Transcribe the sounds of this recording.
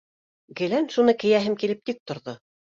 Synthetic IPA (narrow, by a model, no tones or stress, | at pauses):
ɡɘ̆lænʃunɤkɘ̆jæɦɘmkilɘp̚t̪ik̚t̪ŏɾðo